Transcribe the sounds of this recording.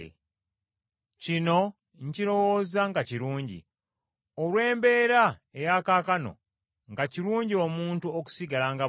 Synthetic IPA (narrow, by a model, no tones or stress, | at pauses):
cino̞ | ɲciɾo̞wo̞ːzaŋɡaciɾuːɲɟḭ | olwe̞ːmbe̞ːɾaejakaːkano̞̰ | ŋɡaciɾuːɲɟio̞muːntuoku̥siɡalaŋɡa